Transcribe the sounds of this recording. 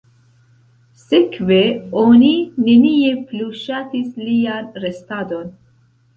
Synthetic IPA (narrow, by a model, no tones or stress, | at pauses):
sekʰveoːninenijepluːʃaːt̪islijanrest̪ad̪on